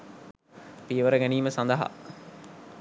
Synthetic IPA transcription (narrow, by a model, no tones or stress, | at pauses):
piəʋəɾəɡæniːməsand̪əɦa̰